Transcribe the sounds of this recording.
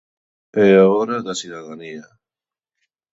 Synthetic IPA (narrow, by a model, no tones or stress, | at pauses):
eaoɾaðasuðaðania